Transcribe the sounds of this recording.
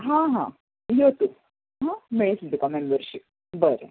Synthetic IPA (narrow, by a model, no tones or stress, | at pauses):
ɦãɦã̰ | jot̪u | ɦãmeɭeslt̪ukamembəɾɕip | bəɾḛ